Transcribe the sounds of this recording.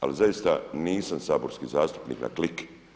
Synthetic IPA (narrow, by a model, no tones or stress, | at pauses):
a̰lizajist̪aniːsamsaːbo̞ɾskiːzaːst̪u̥pnḭːkna̰klik